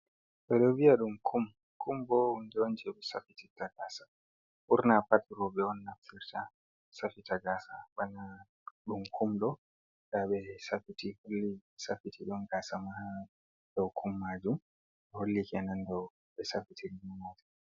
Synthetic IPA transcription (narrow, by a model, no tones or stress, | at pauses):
ɓɛɗɔviaɗumkʰum | kʰumbɔnd͡ʒond͡ʒɛɓɛsa̰fititːaɡaːsa | ʔuɾnapatuɾɔɓɛɔnːaftiɾta | safitaɡaːsaɓana | ɗumkʰumɗɔ | ɗaɓɛsafitiholːisafitiɗɔnɡaːsamaa | dɔwkʰumːad͡ʒum | ɓɛholːikɛnandɔw | ɓɛsafitilimumɔtḁ